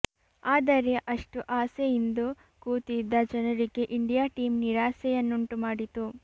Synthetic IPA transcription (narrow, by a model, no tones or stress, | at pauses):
aːd̪ɐɾeʔɐʂʈuʔaːsejind̪u | kuːt̪id̪ːɐd͡ʒɐnɐɾiɡe̞ʔiɳɖijaːʈiːmniɾaːsɛjɐnːuɳʈumaːɽit̪u